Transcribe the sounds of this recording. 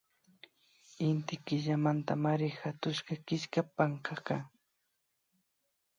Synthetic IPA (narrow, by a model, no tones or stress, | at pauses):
ɪnt̪ɪkɪʎamant̪a̰maɾɪxat̪ʊʃkɑkɪʃkapaŋkɑka